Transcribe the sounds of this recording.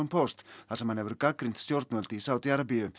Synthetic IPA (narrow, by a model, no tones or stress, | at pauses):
ɔmpʰɔst̪θḁsɛmhanhɛvʏɾkakɾint̪st̪jowɾt̪nɔlt̪isawt̪jaɾapiʏ